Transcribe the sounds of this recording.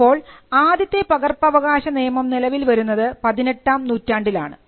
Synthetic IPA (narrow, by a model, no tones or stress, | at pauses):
o̞ːɭaːd̪jɐt̪ːepɐɣɐrpɐʋɐɣaːɕɐneːɐmɐmnilɐʋilʋɐɾunːɐðɨpɐðineʈːaːmnuːtːaːɳɖila̰ːɳɨ̰